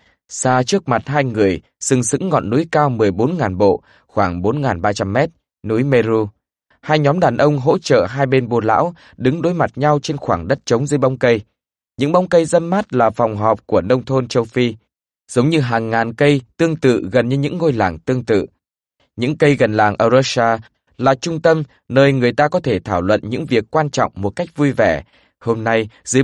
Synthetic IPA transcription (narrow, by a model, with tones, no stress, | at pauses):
saː˧t͡ɕɨ˦˥ək̚ma˨˩t̚ɦaː˧jŋɨ˨˩əj | sɨ˧ŋsɨ̰˧˥ŋːɔ̰˧˨nːu˨˦jkaː˧wmɨ˨˩əjɓo˨˦nŋaː˨˩nɓo̰˧˨ | xwaː˧˩ŋɓo˨˦nŋaː˨˩nɓaː˧t͡ɕa˧mːɛ˦˥t̚ | nu˨˦jme˧zu˧ | haː˧jɲɔ˨˦mɗaː˨˩nʔə˧wŋ͡mɦo̰˧˥t͡ɕə̰ː˧˨ɦaː˧jɓe˧nɓo˧la̰ː˧˥w | ɗɨ˨˦ŋɗo˨˦jma˨˩t̚ɲa˧wt͡ɕe˧nxwaː˧˩ŋɗə˦˥t̚t͡ɕə˨˦wŋ͡mzɨː˨˦jɓa˧wŋ͡mkə˧j | ɲɨ̰˧˥ŋɓa˨˦wŋ͡mkə˧jzə˧nmaː˦˥t̚laː˨˩fwŋ͡mɦɔ˨˩p̚ku˧˩ənə˧wŋ͡mt̪ʰo˧nt͡ɕə˧wfi˧ | z̥ə˨˦wŋ͡mɲɨ˧ɦaː˨˩ŋːaː˨˩nkə˧jt̪ɨ˧əŋt̪ɨ̰˧˨ɣə˨˩nɲɨ˧ɲɨ̰˧˥ŋːo˧jla̰ː˨˩ŋt̪ɨ˧əŋt̪ɨ̰˧˨ | ɲɨ̰˧˥ŋkə˧jɣə˨˩nlaː˨˩ŋʔəː˧˩zə˧saː˧ | laː˨˩t͡ɕʊ˧ŋ͡mt̪ə˧m | nəː˧jŋɨ˨˩əjt̪aː˧kɔ˨˦t̪ʰe˧˩t̪ʰaː˧˩wlwə̰˧˨nɲɨ̰˧˥ŋvi˨˩əkːwaː˧nt͡ɕɔ̰˧˨wŋ͡mmːo˨˩t̚ka˦˥jk̟̚vu˧jvɛ˧˩ | ho˧mna˧jzɨː˨˦